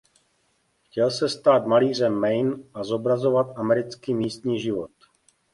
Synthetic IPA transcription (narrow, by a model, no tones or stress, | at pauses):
xcɛlsɛst̪aːt̪maliːr̝ɛmːɛjnʔazobɾazovat̪ʔamɛɾɪt͡skiːmiːst̪ɲiːʒɪvot̪